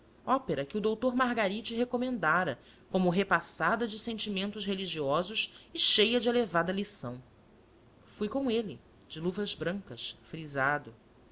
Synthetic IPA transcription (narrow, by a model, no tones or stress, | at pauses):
ɔpeɾɐkɪud̪owt̪oɾmaɦɡaɾit͡ʃɪɦekomẽnd̪aɾɐ | kõmʊɦepasad̪ɐd͡ʒɪsẽnt͡ʃimẽnt̪ʊʃɦeliʒiɔzʊʃɪʃejɐd͡ʒɪelevad̪ɐlisɐ̃w̃ | fujkõw̃elɪ | d͡ʒɪluvɐzbɾɐ̃ŋkɐʃfɾizad̪ʊ